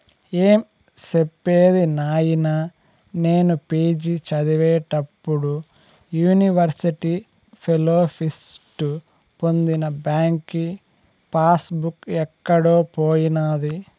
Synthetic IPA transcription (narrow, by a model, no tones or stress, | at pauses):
eːm | sepːeːd̪inaːjinaː | ne̞ːnupeːd͡ʒit͡ʃɐd̪iʋɛːʈɐpːuɽu | juːniʋɐɾsiʈi | pʰeloːpʰisʈu | po̞nd̪inɐbaːŋki | paːsbukɛkːɐɽo̞ːpoːjinaːd̪i